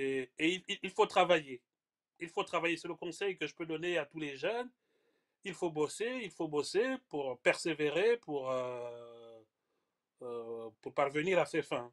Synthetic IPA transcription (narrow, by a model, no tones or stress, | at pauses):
eeiliilfot̪χavaje | ilfot̪χavajesɛləkɔ̃sɛjkəʒəpød̪ɔneat̪uleʒœn | ilfoboseilfobosepuʁpɛʁseveʁepuʁø | puʁpaʁvəniʁafɛfɛ̃